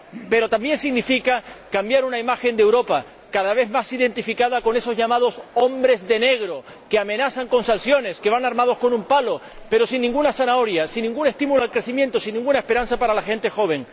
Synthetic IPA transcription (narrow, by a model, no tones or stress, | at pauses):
pe̞ɾo̞t̪ambjẽ̞nsiɣnifikakambjaɾunaimaxe̞nd̪e̞wɾo̞pa | kaðaβ̞e̞ðmasiðe̞nt̪ifikaðako̞ne̞so̞zʝamað̞o̞so̞mbɾe̞zðe̞ne̞ɣ̞ɾo̞ | keamẽ̞naθaŋko̞nsansjo̞ne̞ske̞β̞aŋaɾmað̞o̞sko̞nũmpalo̞ | pe̞ɾo̞sinːĩŋɡunasanao̞ɾjasinːĩŋɡune̞st̪imuloalkɾe̞θimjent̪osinːĩŋɡunae̞spe̞ɾanθapaɾalaxẽ̞nt̪e̞xo̞β̞e̞ŋ